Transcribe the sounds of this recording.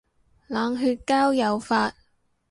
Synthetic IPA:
laː˨ŋɦyː˧t̚kaː˥wjɐ˨wfaː˧t̚

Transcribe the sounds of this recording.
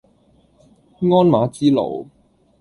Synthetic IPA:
ŋɔː˥nmaː˨˥t͡siː˥lo̰˨˩w

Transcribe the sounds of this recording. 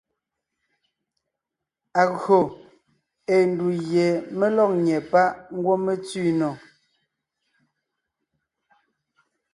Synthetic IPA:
a˨ɣɰo˨ | e˨n̩˨du˨ɣjɛ˨me˦lɔ˦˨k̚ɲɛ˨pa˦ʔŋ̩˦ɡwo˦me˦t͡si˦˨nɔ˨

